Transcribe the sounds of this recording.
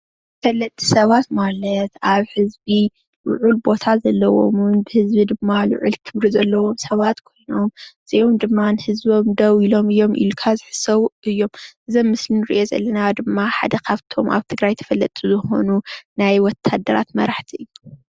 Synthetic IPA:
fɐlːɐt̪ʼːi̥sɐβat̪malɐt̪aβhɨzbi | lʊ̰ʕulbo̞t̪ʰazɐlːɐwo̞̰munbɨhɨzbid̪ɨmːalʊ̰ʕṵlt̪ʰɨβɾizɐlːɐwo̞msɐβat̪kʰo̞jno̞mz̥eʔomd̪ɨmːanɨhɨzbo̞md̪ɐwilo̞mɨjːo̞mḭjːukʰazɨħɨ̥sɐwʔɨjːo̞mʔɨzɐmːɨslinɨɾɨ̰ʔo̞zɐ̰lːɐnad̪ɨmːaħa̰d̪ɐkʰaβt̪ʰo̞ma̰βt̪ʰɨɡɾajt̪ʰɐ̥fɐlːɐt̪ʼuzɨxo̞̰nunajwɔt̪ʰːad̪ːɐɾa̰t̪mɐɾaħt̪ʰiʔɨjːu

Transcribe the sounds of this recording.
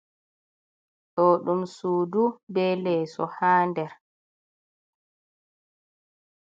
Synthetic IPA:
ɗɔːɗumsuːdubɛlɛːsɔ̰haːndɛɾ

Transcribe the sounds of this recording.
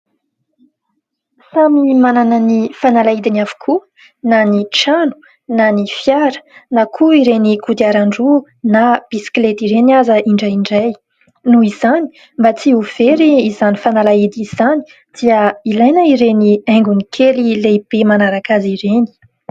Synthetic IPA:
samimanananifanalaid̪inafu̥kʰu | naniʈ͡ʂanu̥ | nanifjaɾə̥nakʰuiɾenikud̪iaɾaɳɖ͡ʐu | nab̥isi̥klet̪iɾeniazəʔiɳɖ͡ʐajiɳɖ͡ʐaj | nuizani̥ | mbat͡siuv̥eɾiːzanifanalaid̪iz̥ani̥ | d̪̥iəilajnaiɾeniajŋɡunikʰelileib̥emanaɾakaziɾeni̥

